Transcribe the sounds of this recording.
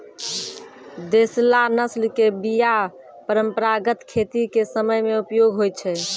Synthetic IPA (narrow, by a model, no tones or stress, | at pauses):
d̪eslanəslkebija | pəɾəmpəɾaɡət̪kʰet̪ikesəməjmeupjoɡɦoj̪̚t͡ʃʰɛ